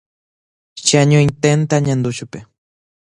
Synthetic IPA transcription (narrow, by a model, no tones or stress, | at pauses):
ʃiaɲoint̪ent̪aɲãnd̪ut͡ʃupe